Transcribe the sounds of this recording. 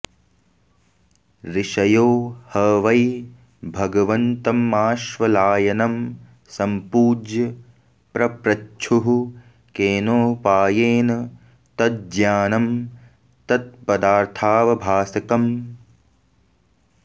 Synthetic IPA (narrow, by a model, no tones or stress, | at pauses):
ɾiʂɐjoːhɐʋɐj | bʱɐɡɐʋɐnt̪ɐmaːʃʋɐlaːjɐnɐm | sɐmpuːd͡ʒjɐ | pɾɐpɾɐt͡ʃʰuɦu | keːnoːpaːjeːnɐ | t̪ɐt̪̚d͡ʒjaːnɐm | t̪ɐt̪̚pɐd̪aːɾt̪ʰaːʋɐbʱaːsɐkɐm